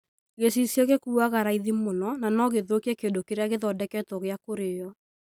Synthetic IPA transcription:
ɣesisjɔɣekuːaɣaɾaiðimonɔnanɔɣeðokiɛkendokeɾeaɣeðɔdɛkɛtɔɣeakoɾejɔ

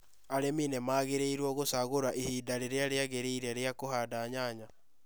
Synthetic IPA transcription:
aɾeminɛmaːɣeɾeiɾwɔɣosaɣoɾaʔihiːdaɾeɾeaɾeaɣeɾeiɾɛɾeakoɦaːdaɲaɲa

